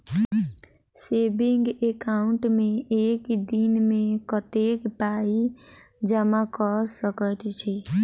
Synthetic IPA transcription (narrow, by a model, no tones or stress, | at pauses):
seːbɪŋɡekaːʊɳʈmẽeːkd̪inmẽkət̪eːkpaːi | d͡ʒəmakɔsəkət̪t͡ʃʰɛ